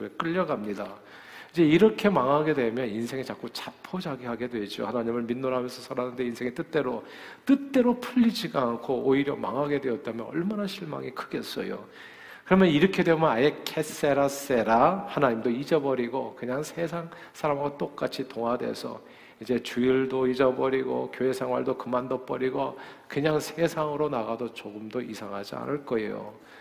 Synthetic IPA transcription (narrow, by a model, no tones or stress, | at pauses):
ek͈ɯʎːʌɡamɲida | id͡ʑe̞iɾʌkʰe̞maŋaɡe̞dwe̞mjʌninsʰe̞ŋit͡ɕak͈ot͡ɕapʰod͡ʑaɡihaɡe̞dwe̞d͡ʑo̰hanaɲimɯɭminːoɾɦamjʌnsʰʌsʰaɾanɯnde̞insʰeŋit͈ɯt͈e̞ɾo | t͈ɯt͈e̞ɾopʰuʎːid͡ʑiɡaankʰooiɾjʌma̰ŋɦaɡe̞dwe̞ʌt̚t͈amjʌnʌɭmanaɕʰiɭma̰ŋikʰɯɡe̞s͈ʌ̰jo̰ | kɯɾʌmjʌniɾʌkʰe̞dwemjʌnajekʰese̞ɾase̞ɾahanaɲimdoid͡ʑʌbʌɾiɡokɯɲaŋsʰe̞sʰaŋ | sʰaɾamɡat͈ok͈at͡ɕʰitoŋwadwe̞̰sʰʌ̰ | id͡ʑe̞t͡ɕuiɭdoid͡ʑʌbʌɾiɡo̰kjoe̞sʰeŋwa̰ɭdokɯmandop͈ʌɾiɡokɯɲaŋsʰe̞sʰaŋɯɾonaɣadot͡ɕoɡɯmdoʔisʰaŋɦad͡ʑia̰nɯɭk͈ʌḛjo̰